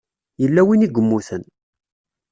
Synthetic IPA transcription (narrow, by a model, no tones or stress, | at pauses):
jəlːæwiniɡʷəmːuθən